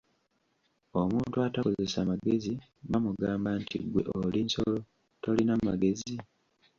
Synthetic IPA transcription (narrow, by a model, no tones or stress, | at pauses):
omuːntuatakoze̞samaɡezi | βamuɡaːmbantḭɡwe̞ʔolinso̰lo̞ | to̞linamaɡe̞zi